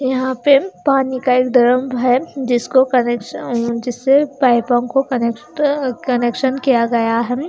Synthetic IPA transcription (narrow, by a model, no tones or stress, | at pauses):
jɐɦãpepaːnikaeːkd̪ɐɾəmbʱɦɛd͡ʒɪskokɐnekʃd͡ʒɪsːepaːɪpɔ̃kokɐnekʈɐneːkʃənkijaɡɐjaɦɛ